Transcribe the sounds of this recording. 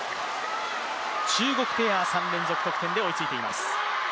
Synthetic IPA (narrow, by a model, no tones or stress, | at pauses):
t͡ɕɨːɡo̞kɯ̟t̪e̞ːasãndẽ̞nzo̞kɯ̟̥o̞kɯ̟̥t̪ẽ̞nd̪eo̞it͡sɨit̪eima̰sɨ̥